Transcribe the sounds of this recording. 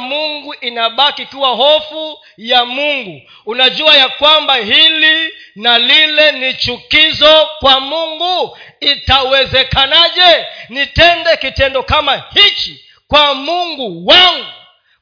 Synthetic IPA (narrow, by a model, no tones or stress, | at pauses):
muŋɡuʔinaɓakikuwaɦɔfu | jamuŋɡu | unaʄuajakwambaɦilinalilɛnit͡ʃukizɔkwamuŋɡuitawɛzɛkanaʄɛnitɛndɛkitɛndɔkamahit͡ʃi | kwamuŋɡuwaŋɡu